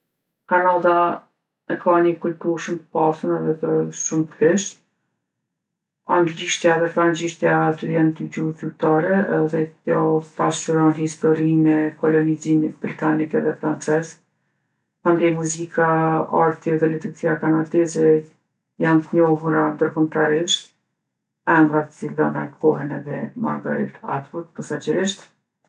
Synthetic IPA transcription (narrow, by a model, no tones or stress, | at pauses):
kanad̪a | ɛkaɲəkultuʃumt̪ə̥pasənɛðɛt̪əʃumt̪əɛʃ | aŋɡliʃt̪jaɛðɛpɾanliʃt̪jat̪əjant̪id͡ʑuzyt̪aɾɛðɛtjɔt̪aʃəɾɔnhist̪ɔɾimɛkɔlɔnizimit̪̚bɾit̪anikɛðɛfɾant͡sɛz | and̪ɛmuzikaa̰ɾt̪ɛðɛlit̪əɡt͡siakanad̪ɛzɛ | jant̪əɲɔɦuɾand̪əɾkɔmt̪aɾiʃt̪̚ | ɛmɡɾat̪ə̥t͡silðɔnakɔɦɛnɛðɛma̰ɾɡaɾḭt̪a̰t̪ut̪̚pasad͡ʒɛɾiʃt̪